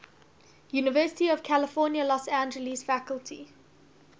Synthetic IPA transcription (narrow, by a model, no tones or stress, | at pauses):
juːnɪvɜːˑsɪ̥tiɔv̥kʰælɪfɔːnjəlɔsæ̃nd͡ʒəlisfækəlˠtʰḭ